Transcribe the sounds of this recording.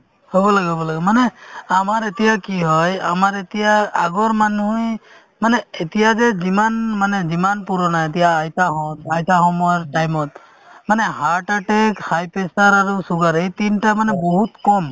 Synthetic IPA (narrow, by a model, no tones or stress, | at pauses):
hobɔlaɡobɔlaɡɛmanɛamaɾet̪ijakiɦɔja̰maɾet̪ijaaɡɔɾmanuj | manɛːt̪ijazɛzimanmanɛzimanpuɾɔnaet̪̬ijaːjt̪aɦɔt̪ajt̪aɦɔmɔɾʈajmɔt̪̚ | manɛɦaɾʈaʈekhajpesaɾaɾusuɡaɾejt̪inʈamanɛboɦut̪kɔm